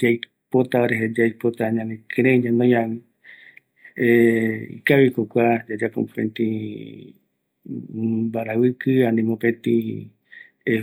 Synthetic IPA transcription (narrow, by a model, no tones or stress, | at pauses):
d͡ʒaj | pot̪aoɾeɦed͡ʒajpot̪aɲãnẽkɨɾeɲanojãwi | eḭkaβikokʷad͡ʒad͡ʒakõ̰pḛ̃nt̪ĩ | baɾawɨkɨanĩmopẽt̪i | e